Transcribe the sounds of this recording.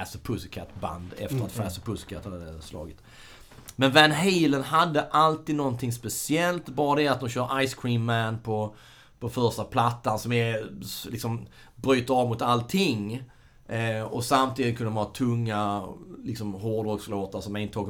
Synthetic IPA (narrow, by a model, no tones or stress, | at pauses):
æsəpʰɵsɪkʰat̪ːba̰nd̪ɛ̰ft̪əɾat̪fæsəpʰɵsɪ̥kʰat̪ːhad̪ɛslɑ̰ːɡɪt̪ | mɛnvænɦiːlənɦad̪ːəʔalt̪iːd̪nɔnt̪ʰɪŋspɛsɪɛlt̪bɑːɾad̪ɛat̪̚d̪ɔmɕœːɾʔaɪskʰɾiːnmænpʰɔ | pʰɔfœɾʂtapʰlat̪ːansɔmɛlɪksɔm | bɾyːt̪əɾɑvmʊt̪alt̪ʰɪŋː | ɔsamt̪ʰiːd̪ɪt̪kʰɵnɔmhɑːt̪ʰɵŋːalɪksɔmɦoːɖɔksloːt̪aɾsɔmɛɪnʰɑːɡ